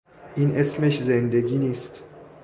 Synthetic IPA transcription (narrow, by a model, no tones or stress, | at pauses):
ʔinʔesmeçzend̪eɡiːnist̪